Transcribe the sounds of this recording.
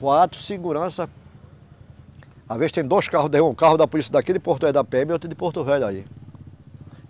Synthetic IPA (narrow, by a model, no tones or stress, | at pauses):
kwat̪ɾʊ̥siɡuɾɐ̃sɐ | avezst̪ẽj̃d̪oʃkaɦʊd̪ẽũkaɦʊd̪ɐpʊlisiɐd̪akid̪ɪpot̪uvɛjd̪ɐpɛmot̪ɾɪd̪ɪpoɾt̪uvɛjd̪ai